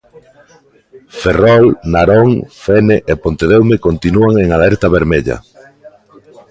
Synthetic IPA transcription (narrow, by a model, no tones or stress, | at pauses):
ferɔlnaɾoŋfeneʔepont̪eðewmekont̪inuaŋeŋalɛɾt̪aβeɾmeʎɐ̰